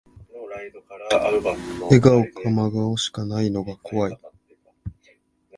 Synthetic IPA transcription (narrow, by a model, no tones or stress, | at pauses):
te̞ɡaokʰamaɡaoɕi̥kanaino̞ɡakʰo̞βai